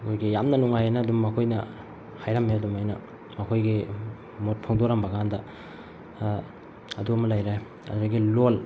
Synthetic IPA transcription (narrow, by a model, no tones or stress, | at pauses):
mojɡijamnɐnuŋajanɐːdumːɐkʰojnɐ | hajɾɐmeɐdumajnɐ̰ | mɐkʰojɡi | mot̚pʰoŋdoɾɐmbɐɡaandɐ | ɐduɐmɐlajɾaj | ɐ̰duɾaɡilol